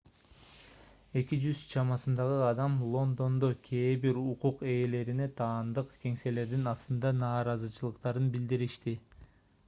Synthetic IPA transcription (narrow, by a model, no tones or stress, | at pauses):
e̞kid͡ʒyz̥t͡ʃʰɑmɑsɯnd̪ɑʁɯɑd̪ɑmlˠo̞nd̪o̞nd̪o̞kʲʰe̞ːbiɾuquqe̞ːle̞ɾine̞t̪ʰɑːnd̪ɯqke̞ŋse̞le̞ɾd̪inɑst̪ɯnd̪ɑnɑːɾɑzɯt͡ʃʰɯlˠɯqt̪ɑɾɯnbild̪iɾiʃt̪i